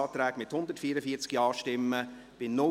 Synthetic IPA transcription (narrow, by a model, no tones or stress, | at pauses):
ɑːt̪ɾɛːɡmɪthʊnd̪ətfiːɾəfiəɾt͡skiɑːʃtɪmːə | b̥ɪnʊ